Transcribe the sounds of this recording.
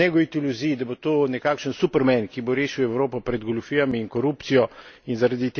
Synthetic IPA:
ɛɡɔʋit̪iluziːid̪abot̪oːnɛkaːkʃənsupəɾmɛnkiboɾeːʃiwɛwɾoːpɔpɾɛd̪ɡolufiːjamiːŋkɔɾupt̪sijɔinzaɾad̪it̪

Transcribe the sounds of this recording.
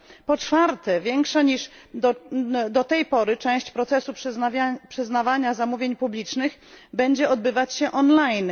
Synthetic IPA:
pɔt͡ʂfaɾt̪ɛvʲjɛŋkʂaɲiʂd̪ɔd̪ɔt̪ɛjpɔɾɘt͡ʂɛ̃w̃ɕt͡ɕpɾɔt̪sɛsupʂapʂɘznavaɲazamuvʲjeɲpublʲit͡ʂnɘx | bɛɲd͡ʑɛɔd̪̚bɘvat͡ɕɕɛʔɔnlajn

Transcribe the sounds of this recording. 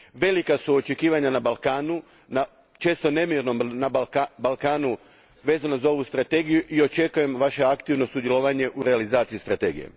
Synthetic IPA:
ʋe̞likasuo̞t͡ʃe̞kiːʋaɲanabalˠkaːnu | na | t͡ʃe̞ːst̪o̞nemiɾno̞mnabalkaːnu | ʋe̞ːzanazao̞ʋust̪ɾat̪e̞ːɡijuʔio̞t͡ʃe̞kuje̞mʋaʃe̞akt̪iʋno̞sud̪je̞lˠoʋaɲe̞ʔuɾealizaːt̪sijist̪ɾat̪e̞ːɡḭjḛ

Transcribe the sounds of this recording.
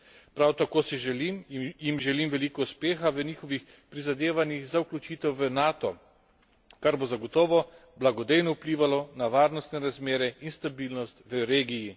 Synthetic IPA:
pɾawt̪akoːsiʒɛlimjimʒɛlimʋɛliːkɔuspeːxaʋəniːxɔʋix | pɾizad̪eːʋanjixzauklʲut͡ʃiːt̪ɛwʋənaːt̪ɔ | kaɾbozaɡɔt̪ɔːʋɔblaɡɔd̪ejnɔupliːʋalɔnaʋaːɾnɔst̪nɛɾazmeːɾɛinst̪abiːlnɔst̪ʋəɾeːɡiji

